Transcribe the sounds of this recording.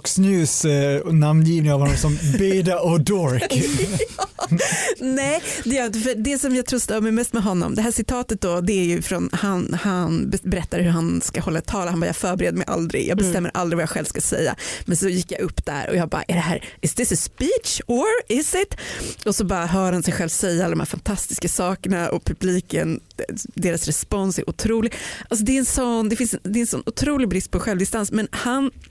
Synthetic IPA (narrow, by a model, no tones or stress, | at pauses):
ksnʉːsnamnjiːvnɪŋavɔnɔmsɔmbɛːd̪aɔd̪ɔɾkː | nɛːd̪ɛjœːɾɪnt̪əfœɖ̪ɛsɔmjɑɡt̪ʰɾʊːst̪əːmɛjmɛst̪mɛɦɔnːɔ̰md̪ɛɦæːʂɪt̪ʰɑːt̪ət̪̚d̪ɔd̪ɛæɾjɵfɾɔnhanhanbɛbɛɾɛt̪ːaɾhɵɾɦanskahɔlːat̪ʰɑːlahanbɑːjɑ̰ːfœːɾbɛɾeːd̪əmɛjʔa̰ld̪ɾɪ̰ɡjʔɑːɡ̚bɛst̪ɛmːə̰ɾʔa̰ld̪ɾɪvajɑɧɛlvskasɛ̰jːa̰mɛnsɔjɪkːjaʔɵpːd̪̥æ̰ɾɔ̰jɑːɡbɑ̰ːa̰ʔæɖ̪ɛɦæːɾɪsðɪsəspiːt͡ʃɔɾɪsɪt̪ɔsɔbɑːɾaɦœːɾhansɛjɧɛlvsɛjːaalːd̪ɔmhæːɾfant̪ʰast̪ɪ̥skasɑːkəɳaʔɔpʰɵbliːkənd̪eːɾasɾɛspɔnsæ̰ɾʔʊt̪ʰɾuːlɪɡʔals̬ɔd̪ɛɛnsɔnd̪ɛfɪnsɛnd̪ɛɛnsɔ̰nːʊt̪ʰɾuːlɪɡbɾɪst̪̚pʰɔɧɛlvd̪ɪst̪ansmɛnhan